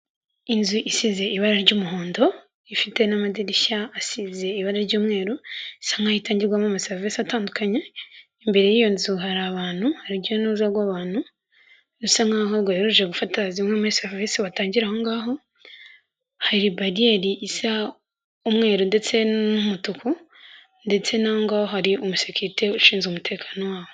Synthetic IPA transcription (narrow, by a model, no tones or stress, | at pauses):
inzuʔisize̞ʔiβaɾaɾɟuːmuɦoːndo̞ | ifite̞namadidiʃaːsize̞iβaɾaɾɟuːmŋe̞ːɾoisaŋɡaːhitaːɲɟiɾɡwamamaseɾvisataːndukaɲe | mbe̞ɾe̞jijo̞nzuɦaɾaβaːn̥huhaɾiɟonuzaɡwaːβaːn̥hu | usaŋɡaɦoɡwajiɾuʒeɡufatazimŋwemeseɾvesiβataːɲɟiɾaho̞ŋɡaːɦo̞ | haɾibaɾieɾiʔisa | umŋe̞ːɾonde̞t͡se̞numutukʰu | nde̞t͡se̞nahoŋɡaoɦaɾiomusekuɾite̞uʃiːnzomutʰe̞ːkʰḁːno̞waːwo